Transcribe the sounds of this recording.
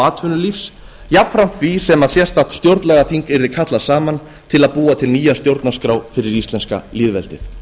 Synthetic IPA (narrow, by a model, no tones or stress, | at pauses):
aːt̪ʰʏnʏlifs | japfɾam̥t̪visɛmaðsjɛst̪at̪st̪jowɾt̪nlɛɣaθiŋkɛɾðɪkʰat̪lasaːman | t̪ʰɪlaðpuːat̪ʰɪlniːjast̪jowɾt̪naskɾawfɪɾɪɾist̪ɛnska̰lɪːðvɛ̰lt̪ɪθ